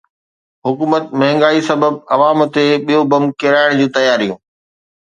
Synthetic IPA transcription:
ɦʊkuːmət̪mɐɦɪ̃ŋɡaːisɐbəbɐʋaːmt̪eɓijobɐmkeɾaːɪɽ̃d͡ʑũːt̪ɐjaːɾijũː

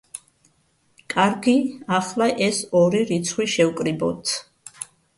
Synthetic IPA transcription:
kʼaɾɡiaχlaʔɛsɔɾiɾit̪sʰχwiʃɛwkʼɾibɔ̰t̪ʰ

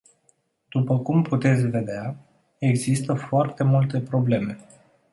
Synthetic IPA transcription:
d̪̥upəkumput̪e̞t̪sʲve̞d̪ea | eɡzist̪əfoart̪e̞mult̪e̞pɾo̞ble̞me̞

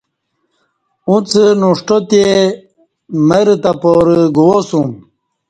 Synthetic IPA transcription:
ũt͡sənuʂʈot̪e | məɾt̪apoɾəɡuwosum

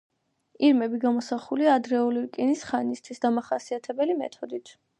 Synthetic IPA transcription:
iɾmɛbiɡamɔsaχuliaːd̪ɾɛuliɾkʼinisχanist̪ʰwisd̪amaχasiat̪ʰɛbɛlimɛ̰t̪ʰɔd̪it̪ʰ

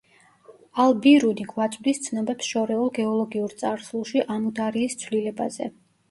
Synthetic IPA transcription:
alˠbiɾuniɡwat̪sʼvd̪ist̪sʰnɛbɛpsʃɔɾɛulˠɡɛɔlˠɔɡiuɾt̪sʼaɾsulˠʃiʔanud̪aɾiːst̪sʰwlilɛba̰zɛ̰

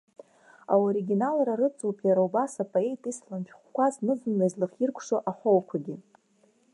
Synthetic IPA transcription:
a̰oɾiɡʲinalraɾɨt͡sʼuwpʼjaɾaubasapʼoe̞jtʼislamʃʰᶣχʷkʷʰaznɨzɨmlazlɨχirkʷʰʂoʔaħowkʷʰaɡʲɪ

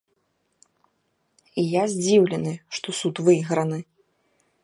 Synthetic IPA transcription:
ijazʲd͡zʲiwlʲɛnɨʂt̪ɔsut̪vɨɣɾɐnɨ

